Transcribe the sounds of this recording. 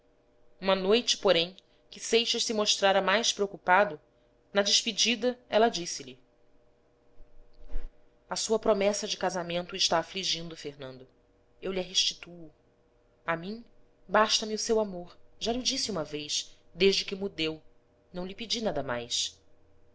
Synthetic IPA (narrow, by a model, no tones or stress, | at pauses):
ũmɐnojt͡ʃɪ̥poɾẽj̃ | kɪsejʃɐʃsɪmoʃt̪ɾaɾɐmajspɾeowkupad̪ʊ | nɐd͡ʒɪʃpid͡ʒid̪ɐɛlɐd͡ʒisɪʎɪ | ɐsuɐpɾomɛsɐd͡ʒɪkazamẽnt̪ʊɪʃt̪aːfliʒĩnd̪ʊfehnɐ̃nd̪ʊ | ewliɐɦeʃt͡ʃi̥t̪uʊ | amĩ | baʃt̪ɐmiʊsewamoɾʒalɪd͡ʒisɪũmɐvejsd̪eʒd͡ʒɪkɪmud̪ew | nɐ̃w̃lɪpid͡ʒinad̪ɐma̰js